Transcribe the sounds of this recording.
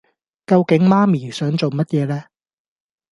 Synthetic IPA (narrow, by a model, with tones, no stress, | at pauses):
kɐ˧wkɪ˨˥ŋmaː˥miː˨˩sœː˨˥ŋt͡so˨wmɐ˥t̚jɛː˨˧lɛː˥